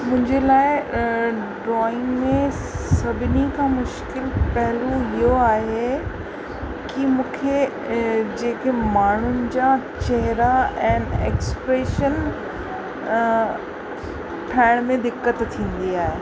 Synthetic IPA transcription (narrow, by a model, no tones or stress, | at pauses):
mʊ̃ɦɪ̃ɲd͡ʑelaːɪ | ɖɾɔːɪ̃ŋɡmẽ | sɐbʱɪnikʰãːmʊʃkɪlpɐɦɪluɦijoaːɦe | kimũːkʰe | d͡ʑeːkemaːɳ̤ʊnɪ̆d͡ʑat͡ɕɛɦɪɾaɛ̃ːnḛːkspɾeːʃən | ʈʰaːɪɽ̃mẽd̪ɪkːət̪t̪ʰːĩːn̆d̪iaːɦeː